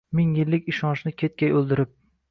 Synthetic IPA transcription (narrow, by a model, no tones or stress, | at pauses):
mɪŋjɪlːɪkʲɪʃɒnʃnɪkʲʰet̪̚kʲajolˠd̪ɪɾɪp̚